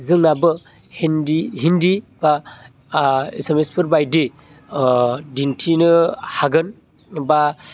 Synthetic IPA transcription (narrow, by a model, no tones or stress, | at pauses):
zɯŋnabɯ | hendiɦindib̥a | esemespʰɯɾbajde | dintʰinɯhaɡɯn | ba